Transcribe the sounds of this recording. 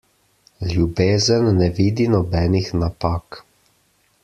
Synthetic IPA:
ljubeːzənːɛʋiːd̪inɔbɛːnixnapaːk

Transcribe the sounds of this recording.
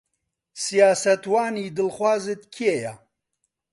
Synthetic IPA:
sijaːsɐt̪waːniːd̪ɨlχwaːzɨt̪kʰijeja

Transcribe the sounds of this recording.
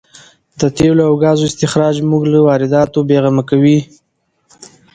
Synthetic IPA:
d̪ət̪eloawɡɑzoɪst̪ɪxɾɑd͡ʒmuɡləwɑɾɪd̪ɑt̪obeɣamakawi

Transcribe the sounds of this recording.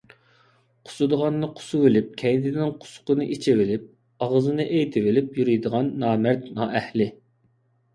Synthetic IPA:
qʰʊ̥sɨd̪əʁɑnːɨqʰʊ̥suwɪlɪp̚kʲʰɛjd̪ɪnɪŋqʰʊ̥sʊ̥qənɨʔit͡ʃʰivɪlɪp̚ | ɑʁəzɨnɨʔejt̪ʰɪvɪlɪpjyɾijd̪əʁɑnːɑːmæɾt̪nɑːʔɛhlɪ

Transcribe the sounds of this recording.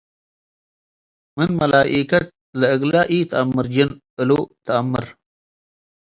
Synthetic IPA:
mɨnmɐlaːʔikɐt̪̚ | ləɨɡlaːʔit̪ʰəamːɨɾd͡ʒɪnʔɨlot̪ʰəamːɨɾ

